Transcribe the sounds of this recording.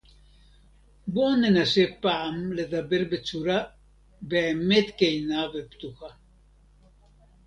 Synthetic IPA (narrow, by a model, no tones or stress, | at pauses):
bɔnenasepamled̪abeɾbet͡suɾa | bemet̪kejnavept̪uxa